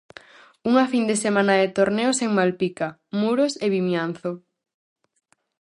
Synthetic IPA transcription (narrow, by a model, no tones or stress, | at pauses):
uŋafind̪esemãnaet̪oɾneoseŋmalpikamuɾoseβimjan̟θo